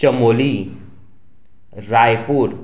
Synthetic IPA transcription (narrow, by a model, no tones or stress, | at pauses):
t͡ɕəmoli | ɾajpuɾ